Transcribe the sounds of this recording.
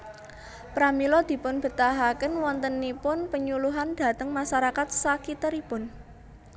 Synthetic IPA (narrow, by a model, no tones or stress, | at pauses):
pɾamilɔd̪̥i̤pʊnb̥ə̤t̪aɦakənwɔnt̪ənːipʊnpəɲuluɦand̪̥a̤t̪əŋmaʃaɾakat̪̚sakit̪əɾipʊn